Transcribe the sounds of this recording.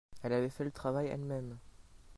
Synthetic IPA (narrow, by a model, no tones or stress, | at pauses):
ɛlavɛfɛlət̪χavajɛ̰lmɛm